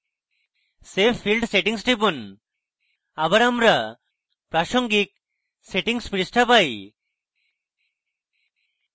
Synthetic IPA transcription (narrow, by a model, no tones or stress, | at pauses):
sepʰːilɖseʈiŋsʈipun | abaɾamɾa | pɾaʃɔŋɡik̚ | seʈiŋspɾisʈʰapaj